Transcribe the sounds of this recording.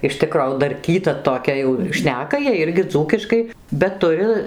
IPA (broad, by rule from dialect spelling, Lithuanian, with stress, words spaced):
ɪʃ ˈtʲɪkroː jɛʊ dɐrʲˈkʲiːtɐ toːˈkʲɛ jɛʊ ˈʃʲnʲæːkɐ jiɛj ˈɪrʲɡʲɪ ˈd͡zuːkʲɪʃkɐɪ bʲɛt ˈtʊrʲɪ